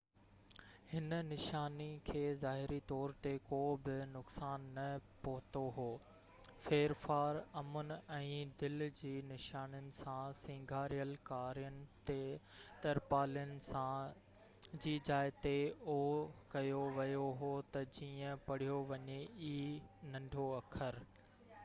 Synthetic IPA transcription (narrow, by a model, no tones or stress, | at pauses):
hɪnnɪʃaːnikʰeːzaːɦɪɾit̪ɔːɾt̪ekoːbɪnʊksaːnːɐpɐɦʊt̪oɦoː | feːɾfaːɾɐmʊnɛ̃ːd̪ɪld͡ʑiːnɪʃaːnənɪ̆sãsĩːŋɡʱaːɾijəlkaːɾijənɪ̆t̪e | t̪ɐɾpaːlijənɪ̆sã | d͡ʑiːd͡ʑaːɪt̪eokɐjoʋɐjoɦoːt̪ɐd͡ʑiːə̃pɐɽ̤ijoʋɐɲeiːnɐ̃ɳɖʱoɐkʰəɾ